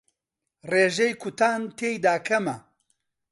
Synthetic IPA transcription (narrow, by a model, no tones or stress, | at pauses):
reːʒejkʰut̪ʰaːnt̪ʰeːjd̪aːkʰɐmɐ